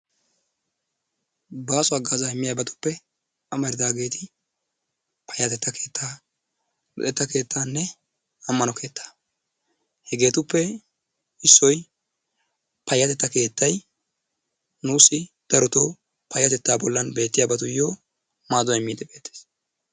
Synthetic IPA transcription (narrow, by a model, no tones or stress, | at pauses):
baːsʊɐɡaːzaɪmːɪjaːbɐt̪ʊ̥pːɛ | ɐmɐɾɪd̪aːɡe̞ːt̪ɪ | pɐjːɐt̪ɛt̪ːɐkʰeːt̪ʰːaː | lʊ̰ʔ̪ɛt̪ːɐke̞ːt̪ʰːaːnːɛ | ɐmːɐnɔkʰe̞ːt̪ʰːḁː | hɛɡe̞ːt̪ʊpːɛ | ɪsːɔj | pɐjːɐt̪ɛt̪ːɐke̞ːt̪ːɐj | nuːsɪ | d̪̥ɐɾɔt̪o | pɐjːɐt̪ɛt̪ːaːbɔlːɐnbe̞ːt̪ːɪjaːbɐt̪ʊjoː | maːzɔɛmːiːd̪ɛbe̞ːt̪ːe̥ːs